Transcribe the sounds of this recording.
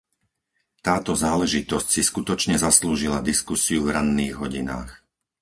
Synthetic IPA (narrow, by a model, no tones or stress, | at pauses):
t̪aːt̪ɔzaːlɛʒit̪ɔscsiskut̪ɔt͡ʃɲɛzasluːʒilad̪iskusiuvɾanːiːɣɦɔɟina̰ːx